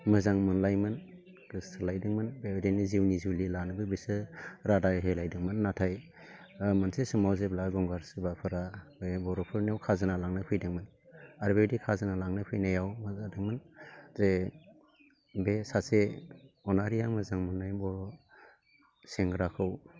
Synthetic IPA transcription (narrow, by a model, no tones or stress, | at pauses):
mɯzaŋmɯnlajmɯn | kistʰɯlajdɯŋmɯnbedeniziwniziwlilanɯbɯbisɯɾadaɦelajdɯŋmɯnːatʰaj | mɯnsesɯmawzeblaɡɔŋɡaɾsɯbapʰɯɾabebɔɾɔpʰɯɾniawkʰazɯnalaŋnɯpʰɯjdɯŋmɯn | aɾbedikʰazɯnalaŋnɯpʰɯjnajawmɯzadɯŋmɯnze | besaseɔnaɾijaŋmɯzaŋmɯnːajbɔɾɔ | seŋɡɾakʰɯw